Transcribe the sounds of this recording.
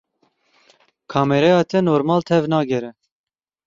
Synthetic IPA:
kʰɑːmɛɾɛjɑːt̪ʰɛnoːɾmɑːlt̪ʰɛvnɑːɡɛɾɛ

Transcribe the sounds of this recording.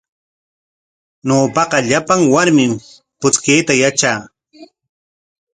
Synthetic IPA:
noːpɑqɑʎapaŋwaɾmɪm | pʊt͡skejt̪ajat͡ʃaː

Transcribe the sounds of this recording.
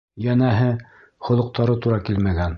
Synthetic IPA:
jænæɦɘ | χŏlˠɤ̆q̚t̪ɑɾɤt̪uɾɑkilmæɡæn

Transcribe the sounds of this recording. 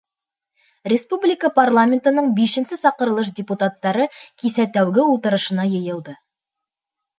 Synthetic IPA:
rʲɪspublʲɪkəparlˠamʲent̪ənəɴbiʃɘ̆nsɪsɑqəɾə̆lˠɤʃ̬dʲɪput̪at̪ːɑɾɤkʲʰisæt̪æwɡʲɪulˠt̪ə̆ɾɤ̆ʃə̆nɑjɤ̆jɤ̆lˠd̪ə

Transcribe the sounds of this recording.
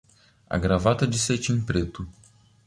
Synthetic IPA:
a̰ɡɾavat̪əd̪iset͡ʃʲinpɾet̪u

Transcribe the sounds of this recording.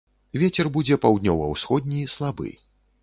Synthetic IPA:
vʲet͡sʲɛrbud͡zʲɛpawd̪ʲnʲɔvɐwsxɔd̪̚ʲnʲislˠabɨ̰

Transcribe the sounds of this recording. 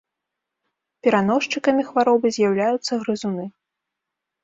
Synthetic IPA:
pʲɛɾanɔʂt͡ʂɨkɐmʲixvaɾɔbɨzʲjawlʲajut̪sːɐɣɾɨzunɨ

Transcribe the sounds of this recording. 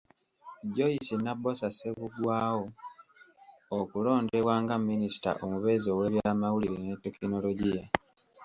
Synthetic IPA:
ɟo̞isinabo̞sase̞βuɡwaːwo̞ | okulo̞ːndewaːŋɡamːinisi̥ta̰ʔomuβe̞ːzo̞we̞ːβjaːmawuliɾenetːekino̞loɟija

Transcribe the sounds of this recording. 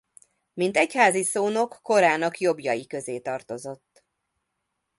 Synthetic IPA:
mint̪ɛchaːzisoːno̞kːo̞ɾaːnɒkjo̞bjɒjikø̞zeːt̪ɒrt̪o̞zo̞t̪ː

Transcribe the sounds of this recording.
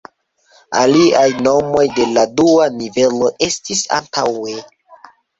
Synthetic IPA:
a̰liajno̞mo̞jde̞laduanive̞lo̞ʔe̞stisa̰ntʰawe

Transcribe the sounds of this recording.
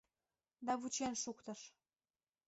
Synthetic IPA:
d̪ɑβut͡ɕenʃukt̪ə̆ʃ

